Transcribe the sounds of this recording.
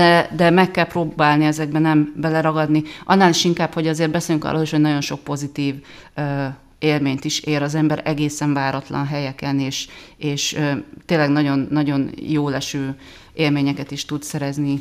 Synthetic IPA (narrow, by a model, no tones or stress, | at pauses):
d̪ɛd̪ɛmɛkːɛlproːbaːlniɛzɛɡbɛnɛmbɛlɛɾɒɡɒd̪niʔɒnːaːliʃiŋkaːpho̞ɟɒzeːrt̪̚bɛseːljyŋkɒ̰rʔoːliʃho̞ɟnɒɟjo̞nʃo̞k̚po̞zit̪iːv | ø | eːlmeːɲt̪iʃeːɾɒzɛmbɛɾɛɡeːsɛɱvaːɾɒt̪lɒ̰nɦɛjɛkɛneːʃeːʃøt̪eːnlɛɡnɒɟo̞nːɒɟo̞njoːlɛʃøː | eːlmeːɲɛkɛt̪iʃt̪ut̪sɛɾɛzni